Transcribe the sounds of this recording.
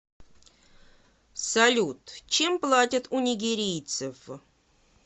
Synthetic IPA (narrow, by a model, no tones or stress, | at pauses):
sɐlʲut̪t͡ɕemplˠatʲət̪unʲɪɡʲɪɾʲijt̪sɨf